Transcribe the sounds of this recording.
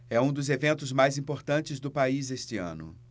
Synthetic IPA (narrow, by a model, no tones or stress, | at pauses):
ɛũd̪ʊzevẽnt̪ʊzmajzĩpoɾt̪ɐ̃nt͡ʃɪzd̪ʊpaizest͡ʃɪɐ̰̃nʊ̰